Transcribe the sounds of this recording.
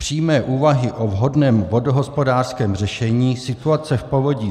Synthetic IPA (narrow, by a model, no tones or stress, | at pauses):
pr̝̥iːjmɛːʔuːvaɦɪʔovɦo̞dnɛːmvo̞doɦospo̞daːrskɛːmr̝ɛʃɛɲiːsɪt̪uat͡sɛfpo̞voɟiː